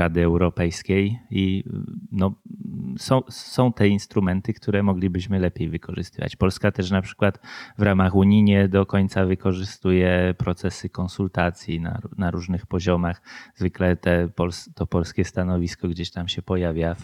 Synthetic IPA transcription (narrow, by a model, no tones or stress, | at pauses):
ɾad̪ɘɛwɾɔpɛjskʲejinɔ | sɔ̃w̃sɔ̃w̃t̪ɛinst̪ɾumɛnt̪ɘkt̪uɾɛmɔɡlʲibɘɕmɘlɛpʲjejvɘkɔʐɘst̪ɘva̰t͡ɕpɔlskat̪ɛʂnapʂɘ̥kwat̪vɾamaxuɲiɲɛd̪ɔkɔɲt̪savɘkɔʐɘst̪ujɛpɾɔt̪sɛsɘkɔnsult̪at̪sʲjina̰naɾuʐnɘxpɔʑɔmaxzvɘklɛt̪ɛpɔlst̪ɔpɔlskʲɛst̪anɔvʲiskɔɡd͡ʑeɕt̪amɕɛpɔjavʲjaf